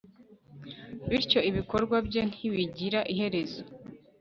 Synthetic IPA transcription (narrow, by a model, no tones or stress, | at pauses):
βiɾco̞iβiko̞ɾɡwabɟe̞n̥hiβiɟiɾaʔiɦe̞ɾe̞zo